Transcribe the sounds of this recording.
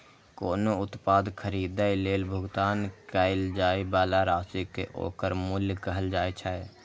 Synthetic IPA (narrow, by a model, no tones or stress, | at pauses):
koːnoʊt̪paːd̪kʰəɾiːd̪ajleːlbʱʊɡt̪aːnkaːɪld͡ʒaːibaːlaɾaːsikḛʔo̰ːkəɾmʊlkəɦəld͡ʒaːet͡ʃʰae